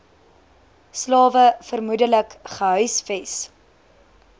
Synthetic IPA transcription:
slɑːvəfərmudələkχəɦœɥsfɛs

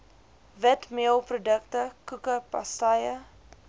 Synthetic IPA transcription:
vətmiəlˠprodək̚təkukəpɐ̰stɐjə

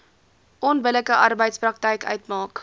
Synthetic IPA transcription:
ʔɔnbələkəʔɐrbəjtsprɐk̚təjkœ̰ɥtmɑːk

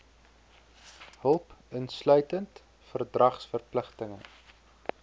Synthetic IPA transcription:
ɦəlˠpənslœɥtənt | fərdrɐχsfərpləχtəŋə̰

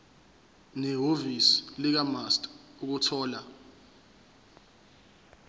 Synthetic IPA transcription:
nɛɦovislik̬amastʼuk̬utʰɔːla

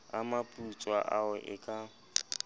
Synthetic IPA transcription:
amapʼut͡sʼwaʔaɛʔɪkʼa

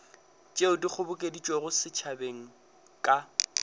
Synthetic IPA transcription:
t͡ʃʼeʊdik͡xʰʊbʊkʼedit͡ʃʼweɣʊsɪt͡ʃʰabeŋ̩ | kʼa

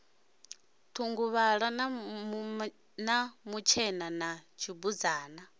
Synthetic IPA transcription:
t̪ʰuŋɡuβaɺa | namut͡ʃʰɛnanat͡ʃʰibud͡zaːna

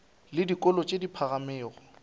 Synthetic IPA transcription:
lɪdikʼɔlɔt͡ʃʼedipʰaɣamɪːɣɔ

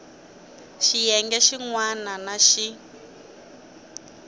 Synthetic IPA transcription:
ʃijɛŋɡɛʃiŋwananaʃi

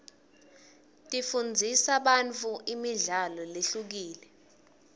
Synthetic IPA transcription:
tʼifund͡zʱisaɓant͡fʰʼuʔimiɮalɔleɬuk̬iːlɛ

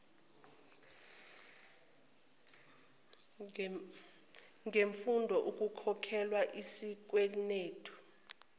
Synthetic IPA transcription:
ŋʱeɱfundʱɔʔuk̬ʼukʰɔkʰɛlwaʔisik̬welineːtʰɔ̥

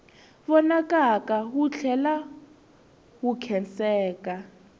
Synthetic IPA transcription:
βɔnakakaɦut͡ɬʰɛla | wukʰɛnt͡sɛːka

